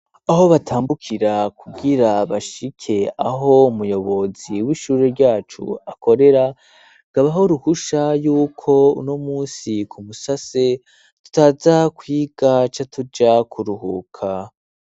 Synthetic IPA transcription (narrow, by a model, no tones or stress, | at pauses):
aɦo̞βatʰaːmbukʰiɾakʰuɡiɾaβaʃikʰe̞aɦo̞umujo̞βo̞ziwiʃuːɾeɾɟaːt͡ʃṵako̞ɾe̞ɾa | ɡ̥aβaɦo̞ɾuhuʃajuːkʰo̞ṵnomuːnsikʰumusase̞ | tu̥taːzakwiːɡ̥at͡ʃatʰud͡ʒakʰuɾuhukʰa